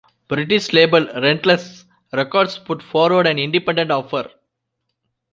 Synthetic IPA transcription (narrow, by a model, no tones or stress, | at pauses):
b̥ɾɪʈɪʃleːbəlɾɛ̃ɳʈles | ɾekɔːɾɖspʊʈfɔːɾʋəɾɖæ̃nɪ̃ɳɖipɛ̃ɳɖẽɳʈɔːfəɾ